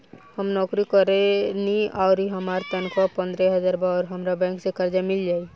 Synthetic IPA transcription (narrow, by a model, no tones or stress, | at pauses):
həmnɔːkɾikəɾeniaːʊɾiɦəmaːɾt̪ənkʋapə̃nd̪ɾɛɦəd͡ʒaːɾbaɔːɾɦəmɾabɛ̃ːŋksekəɾd͡ʒamɪld͡ʒaːi